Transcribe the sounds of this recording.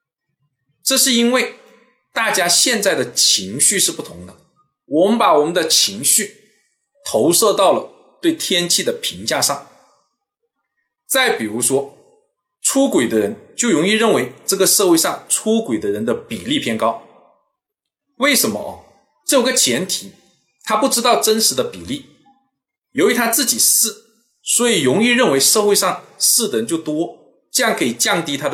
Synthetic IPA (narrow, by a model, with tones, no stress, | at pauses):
ʈ͡ʂɤ˥˧ʂɻ̩˥˧i˥nwe˥˩ɪ | t̪a˥˩t͡ɕja˥ɕjɛ˥˧nt͡sa˥˩ɪd̪ə˩t͡ɕʰi˧˥ŋɕy˥˧ʂɻ̩˥˧pu˥˩t̪ʰʊ˧˥ŋd̪ə˧ | wɔ˨˩mə˦npa˨˩wɔ˨˩mə˦nd̪ə˧t͡ɕʰi˧˥ŋɕy˥˩ | t̪ʰo˧˥ʊʂɤ˥˧t̪ɑ˥˩ʊlə˩ | t̪we˥˩ɪt̪ʰjɛ˥nt͡ɕʰi˥˩d̪ə˩pʰi˧˥ŋt͡ɕja˥˧ʂɑ˥˩ŋ | t͡sa˥˩ɪpi˨˩ɻu˧˥ʂwɔ˥ | ʈ͡ʂʰu˥kwe˨˩ɪd̪ə˦ɻə˧˥nt͡ɕjo˥˩ʊɻʊ˧˥ŋi˥˧ɻə˥˩nwe˧˥ɪʈ͡ʂɤ˥˩ɡə˩ʂɤ˥˧xwe˥˧ɪʂɑ˥˩ŋʈ͡ʂʰu˥kwe˨˩ɪd̪ə˦ɻə˧˥nd̪ə˧pi˨˩li˥˩pʰjɛ˥nkɑ˥ʊ | we˥˩ɪʂə˧˥nmə̰˦ʔɐ̰˧ | ʈ͡ʂɤ˥˩o˨˧˥ɡə˧t͡ɕʰjɛ˧˥nt̪ʰi˨˩˦ | t̪ʰa˥pu˥˩ʈ͡ʂɻ̩˥t̪ɑ˥˩ʊʈ͡ʂə˥nʂɻ̩˧˥d̪ə˧pi˨˩li˥˩ | jo˧˥˧t̪ʰa˥t͡sɹ̩˥˩t͡ɕi˨˩sɹ̩˥˩ | swɔ˧˥i˨˩ɻʊ˧˥ŋi˥˧ɻə˥˩nwe˧˥ɪʂɤ˥˧xwe˥˧ɪʂɑ˥˧ŋsɹ̩˥˩d̪ə˨˩ɻə˧˥nt͡ɕjo˥˩ʊt̪wɔ˥ | ʈ͡ʂɤ˥˧jɑ˥˩ŋkʰɤ˧˥i˨˩t͡ɕjɑ˥˧ŋt̪i˥t̪ʰa˥d̪ə˨